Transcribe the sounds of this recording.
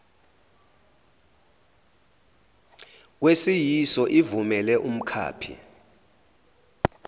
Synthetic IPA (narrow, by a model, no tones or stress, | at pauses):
k̬wesijisɔʔivumɛlɛʔum̩kʰa̰ːpʰḭ